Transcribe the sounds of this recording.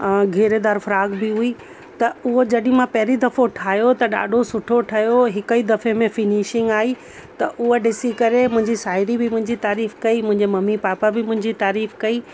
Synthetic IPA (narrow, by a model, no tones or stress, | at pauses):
ɡʱeːɾed̪aːɾfʊɾaːɡbɪɦui | t̪ɐʊɦod͡ʑɐɗɪ̃mãpɐɦɪɾid̪ɐfoʈʰaːjot̪ɐɗa̰ːɖʱosʊʈʰoʈʰɐjoɦɪkəid̪ɐfemẽfɪniːʃɪ̃ŋɡaːi | t̪ɐʔʊɦoɗɪsikɐɾemʊ̃ɦɪ̃ɲd͡ʑisaːɪɾibɪmʊ̃ɦɪ̃ɲd͡ʑit̪aːɾiːfkɐimʊ̃ɦɪ̃ɲd͡ʑemɐmːipaːpabɪmʊ̃ɦɪ̃ɲd͡ʑit̪aːɾiːfkɐiː